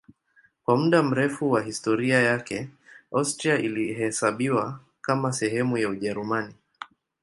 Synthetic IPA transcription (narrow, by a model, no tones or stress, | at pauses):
kwamuɗam̩ɾɛfuwaɦistɔɾiajakɛawstɾiaʔilihɛsaɓiwa | kamasɛɦɛmujauʄɛɾumani